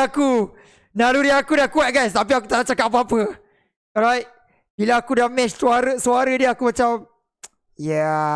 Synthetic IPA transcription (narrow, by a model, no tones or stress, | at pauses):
aku | nãɾudiakudakuat̚ɡajst̪ap̬iakut̪aʔlaht͡ʃakat̚ap̬əapə | ɔɾajt̚ | b̥ilaːkudamɛ̃t͡ʃsuaɾəsuaɾədiəakumat͡ʃam | ja